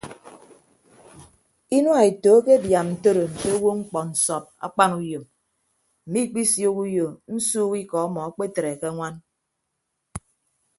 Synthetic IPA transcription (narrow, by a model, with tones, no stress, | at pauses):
i˦nwa˨e˨toː˨˦ke˦bja˨mn̩˨to˦ɾo˨n̩˨te˦wo˦ŋ͡m̩˦k͡pɔ˨n̩˨sɔ˨p̚a̰˦k͡pa˦ŋu˦jo˨m | m̩˨mi˦k͡pi˦sjo˦ku˦jo˨n̩˦suː˦ki˦kɔ˨a˦mɔ˨˦k͡pe˦te˨ɾe˨ke˦ŋʷa˦n